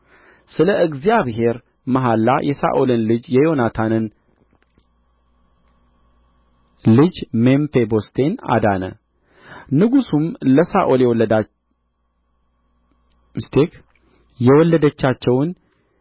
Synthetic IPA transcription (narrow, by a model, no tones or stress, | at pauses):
sɨləʔɨɡzijaβɦe̞ɾ | məɦalːa̰jʔɛsa̰ʔolɨnlɨd͡ʒjɛjo̞nat̪ʰanɨn | lɨd͡ʒmempebo̞st̪ʰe̞na̰d̪anə̰ | nɨɡusumləsaʔoljɛwɔlːəd̪a | mst̪ʰek | jɛwɔlːəd̪ət͡ʃːat͡ʃːɛwn